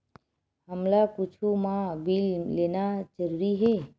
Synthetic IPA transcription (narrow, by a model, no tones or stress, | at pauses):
həmlakut͡ʃʰumãbilːenad͡ʒəɾuɾiɦe